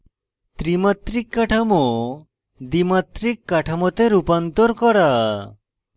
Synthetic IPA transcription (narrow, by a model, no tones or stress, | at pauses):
t̪ɾimat̪ɾikːaʈʰamo | d̪imat̪ɾikːaʈʰamɔt̪eɾupant̪ɔɾkɔɾa